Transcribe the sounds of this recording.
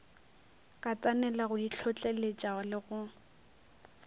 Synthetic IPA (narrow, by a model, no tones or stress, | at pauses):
kʼat͡sʼanɛlaɣʊiɬʰɔt͡ɬʼelet͡ʃʼalɪɣʊ